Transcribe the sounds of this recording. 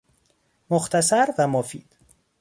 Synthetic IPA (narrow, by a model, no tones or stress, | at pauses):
moxt̪ʰæsæɾvæmofḭːd̪̥